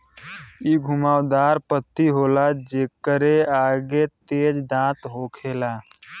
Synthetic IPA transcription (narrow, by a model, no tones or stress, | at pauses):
iɡʱumaːwd̪aːɾpət̪ːiɦoːlad͡ʒeːkːəɾeaːɡet̪eːd͡ʒd̪ãːt̪ɦokʰelaː